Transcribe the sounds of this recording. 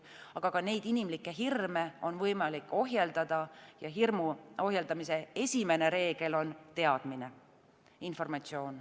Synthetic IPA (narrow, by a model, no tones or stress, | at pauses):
ɑɡ̥ɑɡɑne̞jd̪inimlikːe̞ɦirmeo̞nvɤjmɑlikːˑo̞ɦjeld̪ɑd̪̥ɑjɑɦirmuo̞ɦjeld̪ɑmise̞e̞sʲime̞ne̞ɾe̞ːɡ̥e̞lo̞nt̪e̞ɑd̪̥mine̞ | info̞rmɑt̪sio̞ːn